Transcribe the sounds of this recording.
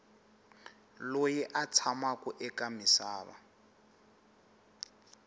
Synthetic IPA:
lojɛʔat͡sʰamakuʔɛkamisaːβa̰

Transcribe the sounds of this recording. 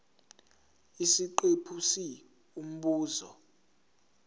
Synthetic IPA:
isiǃepʰusi | um̩ɓuːzɔ̰

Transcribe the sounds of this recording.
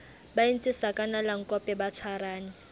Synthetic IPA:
bain̩t͡sʼɪsakʼanalaŋ̩kʼɔpʼɛbat͡sʰwaraːnɪ

